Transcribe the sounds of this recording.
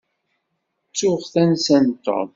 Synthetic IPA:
t͡sːʊʁθænsænt̪ːɔ̰ð

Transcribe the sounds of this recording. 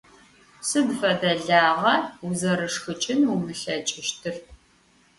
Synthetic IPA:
sɨdfɐdɐɮaːʁɐuzɐɾɨʂxɨt͡ʃʼɪnwʊmɨɬɐt͡ʃʼɪʃtʰɨr

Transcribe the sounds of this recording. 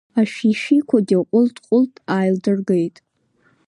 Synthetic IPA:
aʃᶣiʃikʷʰadʲaqʷʼʊltʰʼqʷʼʊltʰʼaːjldɨrɡejtʼ

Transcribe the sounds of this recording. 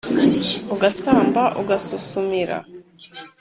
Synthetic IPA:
uɡasaːmbaʔuɡasusumiɾa̰

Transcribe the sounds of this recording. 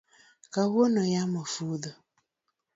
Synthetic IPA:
kawonɔjamɔfuðɔ

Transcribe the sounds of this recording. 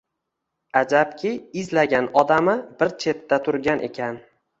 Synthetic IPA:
ad͡ʒap̚kʲʰɪɪzlaɡʲanɒd̪amɪbɪɾt͡ʃʰe̞t̪ːat̪ʰʊɾɡʲanʔe̞̰kʲʰan

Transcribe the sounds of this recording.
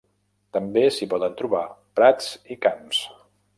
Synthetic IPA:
t̪əmbesipɔðənt̪ɾuβapɾat͡sikams

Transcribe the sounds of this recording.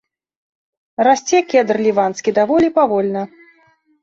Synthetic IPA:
rasʲt͡sʲɛkʲɛd̪rlʲivanskʲid̪avɔlʲipavɔlʲnɐ

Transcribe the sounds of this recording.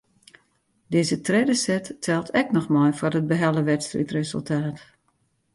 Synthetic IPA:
dɪːzətʰrɛdəsɛtːʰɛlˠtʰɛk̚nɔxmɔjforət̚bəɦɛlˠəʋɛtstrḭtrezə̰lˠtʰaːt

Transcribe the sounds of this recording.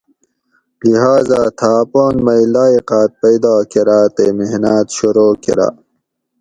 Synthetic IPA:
liɦaːzaːt̪ʰaːpoːnmɐjlaːiqaːt̪̚pɐjd̪aːkeɾaːt̪emeɦnaːt̪ɕuɾoːkḛɾa̰

